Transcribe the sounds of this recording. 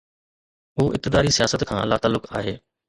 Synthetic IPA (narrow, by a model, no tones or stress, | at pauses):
ɦuːʔɪ̰p̚t̪ɪd̪aːɾisijaːsət̪kʰãːlaːt̪aːlːʊkaːɦeː